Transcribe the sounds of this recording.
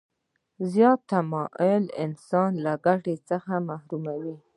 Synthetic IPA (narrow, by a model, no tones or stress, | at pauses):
zjɑt̪ːamɑʔelɪ̰nsɑnlaɡaʈet͡səxamahɾumawi